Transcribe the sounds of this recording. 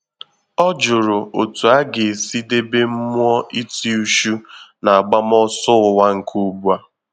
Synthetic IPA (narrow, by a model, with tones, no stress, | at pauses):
ɔ˦d͡ʒʊ˨ɾʊ˨ʔo˨tu˨a˦ɡe˨si˦de˦be˦m̩˦mʊ˦ɔ˦ʔi˦ti˦u˦ʃu˦na˨a˨ɡ͡ba˦m˦ɔ˦sʊ˦ʊ˨wa˦ŋ̩˨kʰu˦bu˦a˦